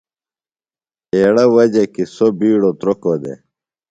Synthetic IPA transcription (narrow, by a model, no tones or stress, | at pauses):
eːɽɐwɐd͡ʑekisobiːɽot̪ɾokod̪ḛ